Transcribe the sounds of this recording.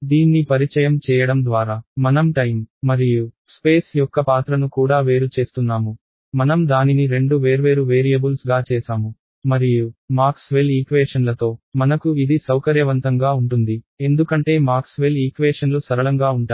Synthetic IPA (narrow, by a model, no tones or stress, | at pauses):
d̪iːnːipɐɾit͡ʃɐjɐmt͡ʃɛːjɐɽɐmd̪ʋaːɾaːmɐnɐmʈɐjmːɐɾiju | spe̞ːsjɔkːɐpaːt̪ɾɐnukuːɽaːʋe̞ːɾut͡ʃe̞ːst̪unːaːmu | mɐnɐmd̪aːniniɾe̞ɳɖuʋeːɾʋeːɾuʋeːɾijɐbulsɡaːt͡ʃɛːsaːmu | mɐɾijumaːɾksʋeliːkʋeːʂɐnlɐt̪o̞ːmɐnɐkuid̪isɐwkɐɾjɐʋɐnt̪ɐŋɡaːuɳʈund̪i | e̞nd̪ukɐɳʈe̞ːmaːɾksʋeliːkʋeːʂɐnlusɐɾɐlɐŋɡaːuɳʈa